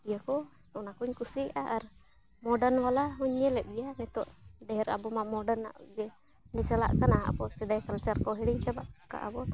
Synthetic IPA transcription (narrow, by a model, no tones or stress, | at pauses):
bijakɔ | ɔnakuɲkusiʔaʔaɾ | mɔɖanwalaɦɔɲːɛlɛʔ̚bijamɛt̪ɔʔɖɛɛɾa̰bɔmamɔɖana̰ʔɡɛ | nɛt͡ʃala̰ʔkanaa̰pɔsɛd̪ajkalt͡ʃaɾkɔɦɛɽiɲt͡ʃabaʔka̰ʔabɔ